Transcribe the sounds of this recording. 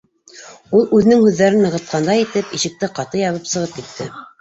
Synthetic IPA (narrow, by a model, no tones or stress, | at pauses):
ulˠʉðɘ̆nɘŋhʉðːæɾɘnːɤ̆ʁɤ̆t̪̚qɑnd̪ɑjit̪ɘpiʃɘ̆k̚t̪ɘqɑt̪ɤjɑβɤpsɤ̆ʁɤp̚kit̪ːɘ